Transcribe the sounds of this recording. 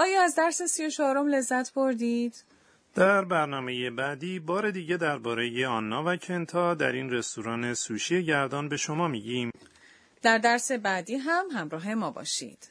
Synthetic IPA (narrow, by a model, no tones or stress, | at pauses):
ʔɒːjɒːæzd̪æɾse̞sijo̞t͡ʃʰɒːɾo̞mle̞zːæt̪ʰboɾd̪iːd̪̥ | d̪̥æɾbæɾnɒːme̞jebæd̪iːbɒːɾe̞d̪iːɟe̞d̪æɾbɒːɾe̞jeɒnːɒːvæcʰent̪ʰɒːd̪æ̰ɾiːnre̞st̪uɾɒːne̞suːʃijeɟæɾd̪ɒːnbe̞ʃo̞mɒːmiːɟiːm | d̪̥æɾd̪æɾse̞bæd̪iːɦæmɦæmɾɒːɦe̞mɒːbɒ̰ːʃḭːd̪̥